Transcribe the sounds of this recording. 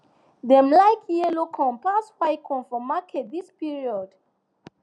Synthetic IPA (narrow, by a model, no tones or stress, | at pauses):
dɛmlajkʰjɛlokʰɔ̃mpaswajkʰɔ̃nfɔmakʰɛt̚dispiɹiɔd